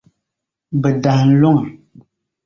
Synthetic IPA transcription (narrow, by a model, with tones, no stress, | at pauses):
bə˨da˨n̩˦lɔ˦˨ŋ˨